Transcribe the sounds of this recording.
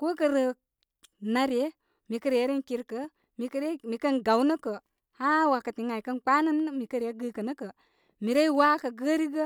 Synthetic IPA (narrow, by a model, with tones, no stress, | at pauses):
ko˦kə˨ɾə˨ | na˨ɾje˦ | mi˨kə˦ɾje˨˦ɾi˦nki˧ɾkə˦ | mi˨kə˦ɾe˦mi˨kə˦nɡa˨wnə˦kə˨ | ha˦wa˨kə˨ti˨ŋa˨i˨kə˦nk͡pa˦nə˦nə˦mi˨kə˦ɾje˦ɡə˦kə˨nə˦kə˨ | mi˨ɾe˦i˦wa˦kə˨ɡə˦ɾi˦ɡə˦